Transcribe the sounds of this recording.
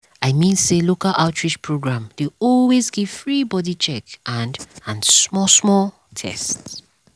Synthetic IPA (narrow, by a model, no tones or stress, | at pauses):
aɪmĩnselokalʔaʊtʰɹit͡ʃpʰɹoɡɹãmdeɔlwezɡiv̥fɹibɔdit͡ʃɛkʔãndãnsmɔsmɔl | tʰɛ̰sts